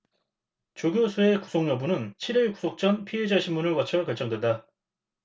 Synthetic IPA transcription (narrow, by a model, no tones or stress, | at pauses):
t͡ɕoɡjosʰue̞ku̥sʰoŋɲʌbunɯnt͡ɕʰiɾiɭku̥sʰok̚t͡ɕ͈ʌnpʰied͡ʑaɕʰimːunɯɭwʌt͡ɕʰʌkʌɭt͡ɕ͈ʌŋdwe̞nda